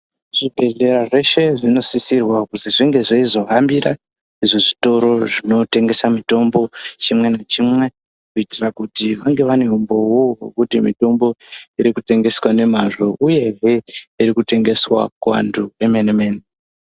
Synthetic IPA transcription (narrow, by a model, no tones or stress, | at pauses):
ʐ̥ibʱe̞ɮe̞ɾaʐe̞ʃe̞ʐino̞sisirwakuziʐiŋɡe̞ʐeizo̞ɦambiɾa | iʐoʐito̞ɾo̞ʐino̞te̞ŋɡe̞samito̞mbo̞t͡ʃimwe̞nat͡ʃimwe̞ | kuitirakutiʋaŋɡe̞ʋane̞umbo̞wowekutimito̞mbo̞iɾikute̞ŋɡe̞swane̞maʐo̞ʔuje̞ɦeiɾikute̞ŋɡe̞swa̰kuʋa̰nduemeneme̞ːne